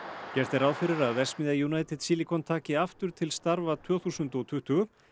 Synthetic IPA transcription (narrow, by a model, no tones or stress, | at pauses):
cɛɾ̥t̪ɛɾaːwfɪɾɪɾaðvɛsmɪðajunaːjt̪ɛð̥siːlikʰɔnt̪ʰaːcɪaft̪ʏɾ̥t̪ʰɪlst̪aɾvat̪ʰvœːθusʏnt̪ɔt̪ʰʏht̪ʏʏ